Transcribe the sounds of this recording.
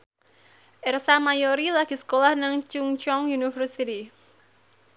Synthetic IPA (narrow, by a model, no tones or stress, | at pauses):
ʔɛrsamajoɾilaɡ̥i̤sə̥kolahnaŋt͡ʃuŋt͡ʃɔŋjunifərsit̪i